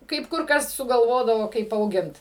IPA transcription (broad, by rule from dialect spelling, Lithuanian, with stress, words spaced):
kɐɪp ˈkʊr ˈkɐs sʊɡɐlˠˈʋoːdɐʋoː kɐɪp ɐʊˈɡʲɪnt